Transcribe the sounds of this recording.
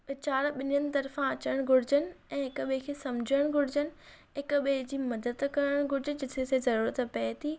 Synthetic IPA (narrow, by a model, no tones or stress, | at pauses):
ɪt͡ɕaːɾɓɪɲənɪ̆t̪ɐɾfãɐt͡ɕəɽəɽ̃ɡʱʊɽ̤ɪd͡ʑənɪ̆ɛ̃ːɦɪkʊɓekʰeːsɐmd͡ʑʱəəɽ̃ɡʱʊɽ̤ɪd͡ʑənɪ̆ | ɦɪkʊɓeɦd͡ʑiːmɐd̪əd̪kɐɾəɽ̃ɡʱʊɽɪd͡ʑɪd͡ʑɪt̪ʰesezɐɾuːɾət̪pɛːt̪ʰiː